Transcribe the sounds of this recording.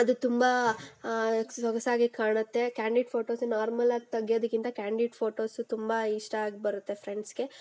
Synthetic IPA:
ɐd̪ut̪umbɐ | sɐɡɐsaːɡikaːɳɐt̪ːe̞kjaːɳɖiɖfʰo̞ːʈo̞ːsnaːɾmɐlaːɡt̪ɐɡijoːd̪ɐkːint̪ɐkaːɳɖiɖfʰoːʈo̞ːsut̪umbɐiʂʈɐaːɡibɐɾut̪ːe̞pʰɾeɳɖsɡe̞

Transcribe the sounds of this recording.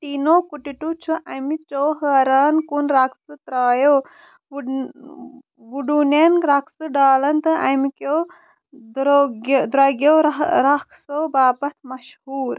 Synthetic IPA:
ʈ̪inoːkuʈiʈut͡ʃʰuʔɐmit͡ʃoːɦəɾaːnkunɾɐksɨt̪ɾaːjoː | ʋuɖunenɾɐksɨɖaːlɐnt̪ɨʔɐmikoː | d̪ɾoɡd̪ɾɐɡjoːɾɾɐkʰsoːbaːpɐsmɐʃhuːɾ

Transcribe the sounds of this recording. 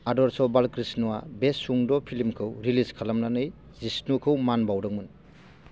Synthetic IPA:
adɔɾsɔbalkɾisnua̰besuŋdɔpʰilimkʰɯwɾiliskʰalamnanɯj | zisnukʰɯwmanbawdɯŋmun

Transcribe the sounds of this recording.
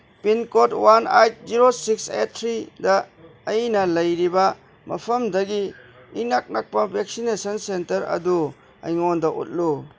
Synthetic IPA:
pinkotwanajt̚ziɾosikset̚ʰɾidɐː | jnɐlɐjɾibɐ | mɐpʰɐmdɐɡi | inak̚nak̚pɐbʱek̚sinesɐnsentɐɾɐ̰du | ɐ̰jŋondɐʔṵt̚lu

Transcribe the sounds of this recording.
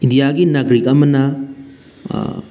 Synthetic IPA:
indijaɡinɐɡɾikɐmɐnɐ

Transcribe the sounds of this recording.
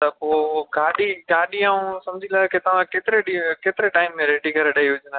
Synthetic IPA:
t̪ɐpoːɡʱaːɗiɡaːɗiaːũsɐmd͡ʑʱilaket̪ɐʋ̤ãkeːt̪ɪɾeɗikeːt̪ɪɾeʈaːɪmːẽɾeːɖikɐɾeɗɐiʊd͡ʒna

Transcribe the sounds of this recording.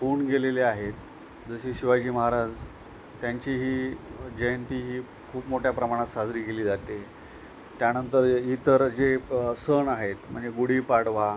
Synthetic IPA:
fuːɳɡeleleaɦet̪ | d͡zəɕiɕiʋad͡ʑiːməɦaɾad͡z | t̪jaɲt͡ɕiɦiːd͡ʑəjənt̪iːɦiː | kʰuːpmoʈjapɾəmaɽ̃at̪sad͡zɾiːkeliːd͡zat̪e | t̪janənt̪əɾit̪əɾd͡zesəɳaɦet̪m̤əɳd͡zeɡuɽiːpaɽʋ̤a

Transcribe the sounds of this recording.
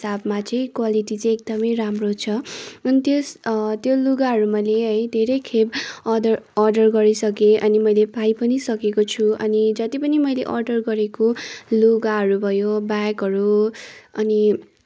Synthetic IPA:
sabmat͡sʌĩkwaliʈit͡sʌĩek̚d̪ʌmʌjɾamrot͡sʰʌʌnit̪jost̪joloɡaɦʌɾumʌjleɦʌjd̪ʱeɾʌjkʰebʌʌrʌrɖʌrɡʌɾisʌkeʔʌnimʌjlepʰajpʌnisʌkekot͡sʰuʌnid͡zʌt̪ipʌnimʌjleʔʌrɖʌrɡʌɾekoloɡaɦʌɾubʱʌjobakʌɾu | ʌni

